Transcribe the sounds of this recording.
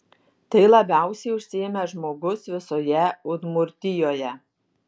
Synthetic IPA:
t̪ɐɪlˠɐbʲæˑʊsʲɛɪʊʃʲsʲɪɛmʲɛʒmoːɡʊsʋʲɪsoːjɛʊd̪mʊɾʲt̪ʲɪjoːjɛ

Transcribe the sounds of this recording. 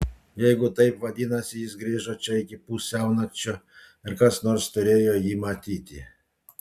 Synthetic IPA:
jɛjɡʊt̪ɐjpʋɐd̪ʲinɐsʲɪjizɡɾʲɪʒɔt͡ʃɔikʲɪpusʲawnɐkt͡ʃːɔ | ɪɾkasnɔrst̪ʊɾʲejɔjimɐt̪ʲit̪ʲɪ̰

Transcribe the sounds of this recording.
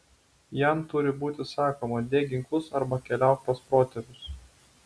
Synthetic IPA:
jæˑmt̪ʊɾʲɪbuːt̪ʲɪsɑːkoːmɐd̪ʲeːɡʲɪŋkˠʊsɐɾbɐkʲɛlʲæˑʊt̪̚pɐspɾoːt̪ʲɛɾʲʊs

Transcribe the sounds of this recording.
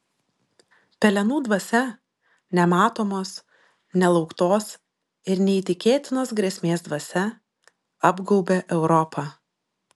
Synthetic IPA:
pʲɛlʲɛnuːd̪ʋɐsʲɛ | nʲɛmɑːt̪oːmoːs | nʲɛlˠɒʊkt̪oːs | ɪɾnʲɛiːt̪ʲɪkʲeːt̪ʲɪnoːsɡɾʲeɛsʲmʲeːsd̪ʋɐsʲɛ | ɑbɡɔʊbʲeʔɛʊɾɔpʰɑː

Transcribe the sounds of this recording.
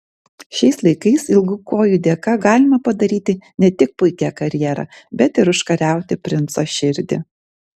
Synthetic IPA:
ʃʲɛɪslˠɐɪkɐɪsɪlˠɡʊkoːjʊd̪ʲeːkɑːɡɑːlʲɪmɐpɐd̪ɐɾʲiːt̪ʲɪnʲɛt̪ʲɪk̚pʊɪkʲækɐɾʲjɛɾɑ̰ːbʲɛt̪ɪɾʊʃkɐɾʲæˑʊt̪ʲɪpʲɾʲɪnt̪soːʃʲɪɾʲd̪ʲɪ̰

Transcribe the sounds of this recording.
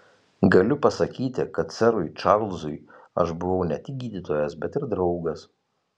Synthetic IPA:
ɡɐlʲʊpɐsɐkʲiːt̪ʲɪkɐt̪sʲɛɾʊɪt͡ʃɑˑɾlˠzʊj | ɐ̰ʃbʊʋɔʊnʲɛt̪ʲɪk̚ʲɡʲiːd̪ʲiːt̪oːjɛsbʲɛt̪ɪɾd̪ɾɒʊɡɐs

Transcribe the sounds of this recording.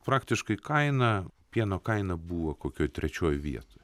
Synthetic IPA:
pɾɑːkt̪ʲɪʃkɐɪkɐɪnɐpʲiɛnoːkɐɪnɐbuːʋɐkoːkʲoːjt̪ʲɾʲɛt͡ʃʲoːjʋʲḭɛt̪oːj

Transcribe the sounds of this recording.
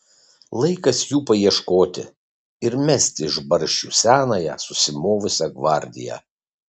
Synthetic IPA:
lˠɐɪkɐsjuːpɐiɛʃkoːt̪ʲɪ̰ | ɪɾmʲɛsʲt̪ʲɪɪʒbɐɾʲʃʲt͡ʃʲuːsʲæːnɐjɛ̰ːsʊsʲɪmoːʋʊsʲɛɡʋɐˑɾʲd̪ʲɪ̰jæ̰

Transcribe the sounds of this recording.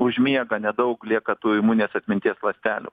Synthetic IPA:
ʊʒʲmʲiɛɡɐnʲɛd̪ɐʊklʲiɛkɐt̪uːɪmuːnʲeːsɐt̪ʲmʲɪnʲt̪ʲiɛslˠɐsʲt̪ʲæːlʲʊ̰ː

